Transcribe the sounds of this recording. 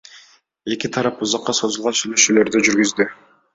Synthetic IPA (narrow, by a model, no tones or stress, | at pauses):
e̞kit̪ʰɑɾɑpuzɑqːɑso̞zulˠʁɑnsyjlø̞ʃyːlø̞ɾd̪yd͡ʒyɾɡyzd̪y